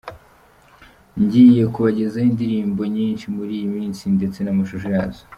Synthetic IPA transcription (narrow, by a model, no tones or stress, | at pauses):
ɲɟiːje̞kuβaɟe̞zaindiɾiːmbo̞ɲiːnʃimuɾiːjimiːnsinde̞t͡se̞namaʃuʃojazo̥